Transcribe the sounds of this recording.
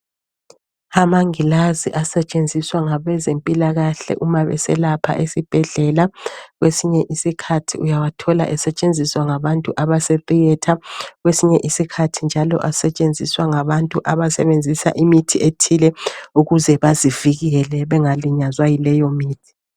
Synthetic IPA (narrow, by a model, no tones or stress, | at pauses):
amaŋilaziʔasɛt͡ʃʼend͡zʱiswaŋaβɛzempʼilaɣaɬɛ̰ʔumaβɛ̰sɛ̰lapʰa̰ʔesib̥ʱɛɮɛlaɣwesiɲɛʔisikʰatʰiujawatʰɔla̰ʔɛsɛt͡ʃʼend͡zʱiswaŋaβantʼuʔaβasɛtʼijɛtʰaɣwesiɲɛʔisikʰatʰind͡ʒʱalɔ̰ʔasɛt͡ʃʼend͡zʱiswaŋaβantʼuʔaβasɛβend͡zʱisa̰ʔimitʰietʰilɛuɣuzɛβaziviɣiɛlɛβɛŋaliɲazwajilɛjɔmiːtʰi̥